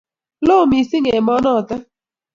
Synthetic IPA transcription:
lo˦˨mi˨sɪ˦ŋe˨mɔ˦nɔ˦˨ta˦

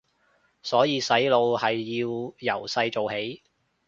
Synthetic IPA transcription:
sɔː˨˥jiː˨˧sɐ˨˥jlo˧whɐ˨jːiː˧wjɐ˨˩wsɐ˧jt͡ʃo˨whe˨˥j

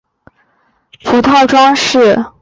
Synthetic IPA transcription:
pʰu˧˥t̪ʰɑ˥˩ʊʈ͡ʂwɑ˥ŋʂɻ̩˥˩

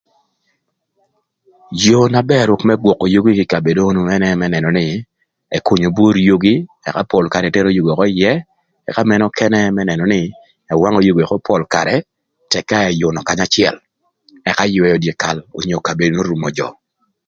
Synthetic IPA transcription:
jo˨na˨bɛ˦˨ɾʊ˨kmɛ˦ɡwɔ˨kːo˨jo˦ɡi˦kɪ˨ka˨be˨do˦nu˦ɛ˦nɛ˦mɛ˦nɛ˨nɔ˨nɪ˦ | ɛ˨ku˨ɲo˨bu˦ɾjo˦ɡi˦ | ɛ̰˨ka˦pɔ˨lka˨ɾɛ˨tɛ˦ɾo˦jo˨ɡe˨kɔ˦ɪ˦jɛ˦ | ɛ˨ka˦mɛ˦nɔ˦kʰɛ˦nɛ˦mɛ˦nɛ˨nɔ˨nɪ˦ | ɛ˨wa˦ŋo˨jo˦ɡe˨kɔ˦pʰɔ˨lka˨ɾɛ˨ | tɛ˨kːa˦ɛ˨jʊ˨nɔ˨ka˦ɲa˦t͡ʃɪɛ̰˨l | ɛ˨ka˦jʊ˨ɛ˦o˨dje˨ka˨lo̰˨ɲo˨ka˨be˨do˦no˦ɾu˨mɔ˨d͡ʒɔ̰˨

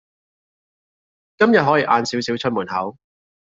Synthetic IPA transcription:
kɐ˥mjɐ˨t̚ɦɔː˨˥jiː˨˧ʔaː˨˧nsi˨˥wsi˨˥wt͡ʃʰɵ˥t̚muː˨˩nhɐ˨˥w

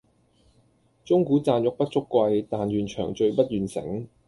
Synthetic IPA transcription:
t͡ʃʊ˥ŋkuː˨˥t͡saː˧njʊ˨k̚pɐ˥t̚t͡ʃʊ˥kʷːwɐ˧jt̪aː˨nɥyː˨nt͡ʃʰœː˨˩ŋt͡ʃɵ˧ɥpɐ˥t̚jyː˨nsɪ̰˨˥ŋ

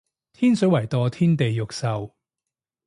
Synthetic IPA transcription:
t̪ʰiː˥nsɵ˨˥wɐ˨˩jt̪ɔː˧t̪ʰiː˥nt̪e˨jːʊ˨k̚sɐ˨w

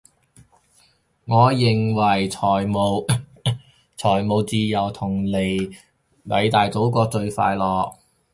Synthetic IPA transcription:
ŋɔː˨˧jɪ˨ŋwɐ˨˩jt͡sʰɔː˨˩jmo˨˧w | t͡sʰɔː˨˩jmo˨˧wt͡siː˧jɐ˨˩wt̪ʰʊ˨˩ŋle˨˩j | mɐ˨˧˥jt̪aː˨jt͡so˨˥wkɔː˧t͡ʃɵ˧ɥfa̰ː˧jlɔː˨k̚

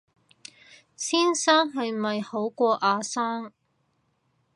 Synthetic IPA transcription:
siː˥nsaː˥ŋɦɐ˨jmɐ˨jho˨˥wkʷɔː˧ʔaː˨˧saː˥ŋ

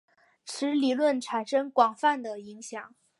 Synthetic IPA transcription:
ʈ͡ʂʰɻ̩˧˥li˨˩lwə˥˩nʈ͡ʂʰa˨˩nʂɤ˥ŋkwɑ˨˩ŋfa˥˩nd̪ə˩i˧˥ŋɕjɑ˨˩˦ŋ

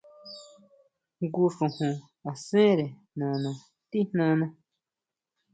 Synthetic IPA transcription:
ŋɡu˧ʂũ˨hũ˨ | a˨sẽ˦ɾe˨nã˨nã˨ | t̪i˦n̥nã˧nã˧

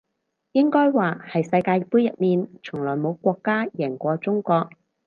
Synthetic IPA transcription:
jɪ˥ŋkɔː˥jwaː˨hɐ˨jsɐ˧jkaː˧jpuː˥jɐ˨t̚miː˨nt͡sʰʊ˨˩ŋlɔː˨˩jmo˨˧wkʷɔː˧kːaː˥jɛː˨˩ŋkʷɔː˧t͡sʊ˥ŋkʷɔː˧k̚

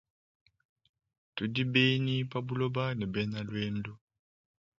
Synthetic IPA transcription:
tu˨di˦be˦ni˦pa˦bu˦lo˦ba˦nɛ˨bɛ˦na˦lwe˦ndu˦

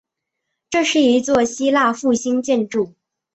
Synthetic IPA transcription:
ʈ͡ʂɤ˥˧ʂɻ̩˥˩i˧˥t͡swɔ˥˩ɕi˥la˥˧fu˥˩ɕi˥ŋt͡ɕjɛ˥˧nʈ͡ʂu˥˩

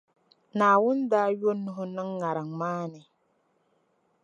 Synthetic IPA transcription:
naː˨wʊ˦ndaː˦ɥo˦nːu˦ɦʊ˦nɨ˦ŋːa˨ɾa˨ŋmaː˦nɛ˨

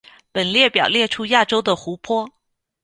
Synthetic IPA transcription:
pə˨˩nljɛ˥˩pjɑ˨˩ʊljɛ˥˩ʈ͡ʂʰu˥ja˥˩ʈ͡ʂo˥ʊd̪ə˨xu˧˥pʰwɔ˥

